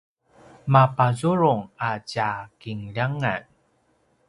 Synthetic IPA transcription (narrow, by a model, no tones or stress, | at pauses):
mapazuɾuŋacakiŋʎaŋa̰n